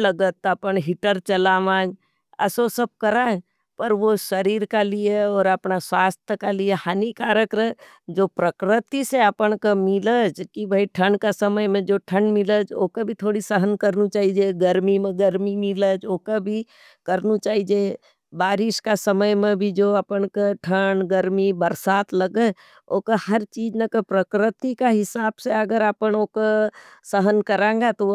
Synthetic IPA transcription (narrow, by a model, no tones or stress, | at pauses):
ləɡət̪əpəɳɦɪʈəɾt͡ʃəlaːʋãːd͡ʒ | ə̰sosəb̚kəɾaːd͡ʒ | pəɾʋoʃəɾiːɾkalieɔːɾəpnaswaːst̪ʰjəkaliehaːnikaːɾəkɾə | d͡ʒoːpɾəkɾɪt̪iseəpənkamɪləd͡ʒkibʱəiʈʰə̃ɳɖkasəməjmẽd͡ʒoʈʰə̃ɳɖmɪləd͡ʒo̰ːkabʱit̪ʰoːɽisəɦənkəɾnit͡ʃaːɦid͡ʒeɡəɾmimẽɡəɾmimɪləd͡ʒoːkabʱi | kɐɾnut͡ʃaːɦid͡ʒe | baːɾɪʃkasəməjmẽbʱid͡ʒoːɐpəɳkaʈʰəɳɡəɾmibəɾsaːt̪ləɡə | oːkahɐɾt͡ʃiːd͡ʒnekepɾəkɾɪt̪ikaɦɪsaːbseɐɡəɾapənoːkosəɦənkɐɾẽːɡat̪o